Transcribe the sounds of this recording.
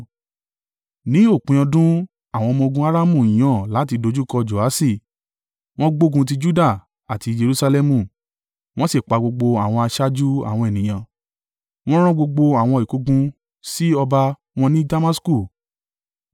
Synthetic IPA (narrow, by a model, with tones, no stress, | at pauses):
nĩ˨˦o˦˨k͡pĩ˧˦ɔ̃˧dũ˦ | a˦˨w̃ɔ̃˧mɔ̃˧ɡũ˧˦a˦ɾa˦mũ˦˨i˨j̃ã˨˦˨la˨˦t̬i˧do˧d͡ʒu˦˨kɔ˧d͡ʒo˨a˨˦si˦˨ | w̃ɔ̃˦ɡ͡bo˦˨ɡũ˧t̬i˧d͡ʒu˦da˦˨ | a˨ti˧d͡ʒe˧ɾu˧sa˧lɛ˧mũ˦˨ | w̃ɔ̃˦si˦˨k͡pa˨˦ɡ͡bo˧ɡ͡bo˧a˨w̃ɔ̃˧a˧ʃa˦d͡ʒu˦a̰˦˨w̃ɔ̃˧ɛ˨nĩ˨j̃ã˨ | w̃ɔ̃˦ɾ̃ã˦ɡ͡bo˧ɡ͡bo˧a˨w̃ɔ̃˧˨i˨ku˨˧ɡũ˧ | si˦ɔ˧ba˧ | w̃ɔ̃˧nĩ˦da˧ma˦sku˦˨